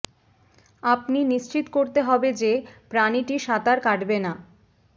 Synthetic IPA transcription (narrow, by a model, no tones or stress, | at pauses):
apniniʃt͡ɕit̪koɾt̪eɦɔbed͡ʑepɾaniʈiʃat̪aɾkaʈbena